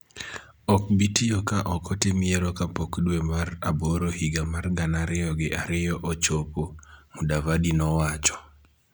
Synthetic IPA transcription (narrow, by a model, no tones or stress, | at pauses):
ɔk̚bitijokaʔɔkɔtɪmieɾɔkapokdwemaraboɾohiɡamarɡanaɾɪjɔɡɪʔaɾɪjɔʔot͡ʃopomudavadinɔwat͡ʃɔ̥